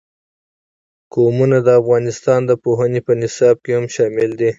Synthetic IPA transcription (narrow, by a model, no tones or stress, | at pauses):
komunad̪əafɣɑnɪst̪ɑnd̪əpoɦənepənɪsɑb̚kehamʃɑmɪld̪i